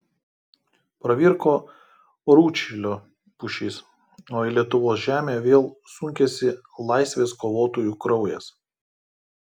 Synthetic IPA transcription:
pɾɐʋʲiɾkoː | ɾuːt͡ʃʲɪlʲoː | pʊʃʲɪːs | oːilʲiɛt̪ʊʋoːsʒʲæːmʲeːʋʲeːlˠsʊŋʲkʲɛsʲɪ | lˠɐˑɪsʲʋʲeːskoːʋoːt̪oːjuːˑkɾɔʊjɛs

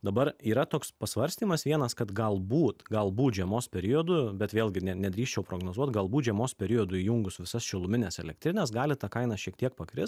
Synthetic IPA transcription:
d̪ɐbɐɾiːɾɐt̪oːkspɐsʋɐɾʲsʲt̪ʲiːmɐsʋʲiɛnɐskɐt̪ɡɐlˠbuːt̪ɡɐlˠbuːt̪ʒʲiɛmoːspʲɛɾʲɪjɔːd̪ʊbʲɛt̪ʋʲeːlʲˠɡʲɪnʲɛnʲɛd̪ʲɾʲiːʃʲt͡ʃʲɛʊpɾoːɡnoːzuɔt̪ɡɐlˠbuːt̪ʒʲɛmoːspʲɛɾʲɪjoːd̪ʊiːjʊŋɡʊsʋʲɪsɐsʃʲɪlˠʊmʲɪnʲeːsɛlʲɛkt̪ʲɾʲɪnʲɛsɡɑːlʲɪt̪ɐkɐɪnɑʃʲiɛk̚t̪ʲiɛk̚pɐkɾʲɪs

